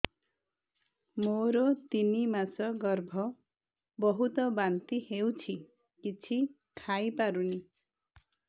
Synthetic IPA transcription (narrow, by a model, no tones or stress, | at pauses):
moɾot̪inimasʌɡʌrbʱʌ | bʌɦut̪ʌbant̪iɦewt͡sʰi | kit͡sʰi | kʰajpaɾuni